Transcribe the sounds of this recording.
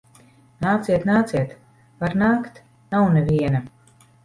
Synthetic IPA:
naːt̪siɛt̪naːt̪siɛt̪ | vaɾnaːkt̪ | nawnɛvʲiɛna

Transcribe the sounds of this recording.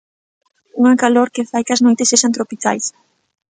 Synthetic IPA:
uŋakaloɾkefajkɐznojt̪eseʃant̪ɾopikajs

